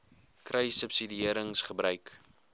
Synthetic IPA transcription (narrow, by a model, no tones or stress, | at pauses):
krəjsəpsidiiəɾəŋsχəbrœɥk